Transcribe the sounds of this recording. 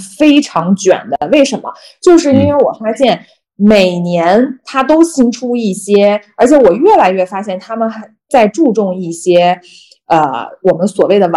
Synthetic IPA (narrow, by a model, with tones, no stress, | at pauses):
fe˥ɪʈ͡ʂʰɑ˧˥ŋt͡ɕɥɛ̰˨˩nd̪ə˦we˥˩ɪʂə˧˥nmə̰˧ | t͡ɕjo˥˧ʊʂɻ̩˥˩i˥nwe˥˩ɪwɔ̰˨˩fa˥ɕjɛ˥˩n | me˨˩ɪnjɛ˧˥nt̪ʰa˥t̪̬o˥ʊɕi˥ŋʈ͡ʂʰu˥i˥˩ɕjɛ˥ə˞˧˥t͡ɕʰjɛ˧˥wɔ˨˩ɥɛ˥˩la˧˥ɪɥɛ˥˩fa˥ɕjɛ˥˩nt̪ʰa˥mə˨nxt͡sa˥˧ɪʈ͡ʂu˥˧ʈ͡ʂʊ˥˧ŋi˥˩ɕjɛ˥ | ə̰˧wɔ˨˩mə˦nswɔ˨˩we˥˩ɪd̪ə˩w